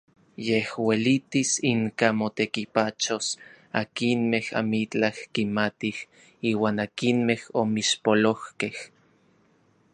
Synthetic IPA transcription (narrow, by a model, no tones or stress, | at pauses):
jehwelit̪isiŋkamot̪ekipat͡ʃos | akinmeha̰mit͡ɬahkimat̪ih | iːwaːnakinmehomiʃpolohkeh